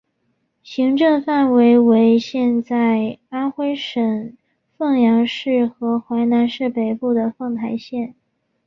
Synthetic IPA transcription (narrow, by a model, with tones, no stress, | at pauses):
ɕi˧˥ŋʈ͡ʂɤ˥˧ŋfa˥˩nwe˧˥ɪwe˧˥ɪɕjɛ˥˧nt͡sa˥˩ɪa˥nxwe˥ɪʂə˨˩ŋ | fɤ˥˩ŋjɑ˧˥ŋʂɻ̩˥˩xɤ˧˥xwa˧˥ɪna˧˥nʂɻ̩˥˩pe˨˩ɪpu˥˩d̪ə˩fɤ˥˩ŋt̪ʰa˧˥ɪɕjɛ˥˩n